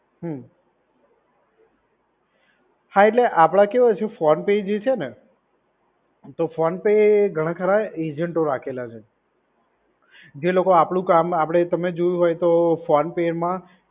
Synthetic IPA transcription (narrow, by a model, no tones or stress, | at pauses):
ɦə | hãeʈleʔapɽ̃akeʋot͡ʃʰefɔnped͡ʒet͡ʃʰene | t̪ofɔnpeeɡʱəɽ̃ãkʰəɾaed͡ʒəɳʈoɾakʰelat͡ʃʰe | d͡ʒelokoapɽ̃ũkamapɽ̃et̪əmed͡ʒojũɦojt̪ofɔnpeɾmã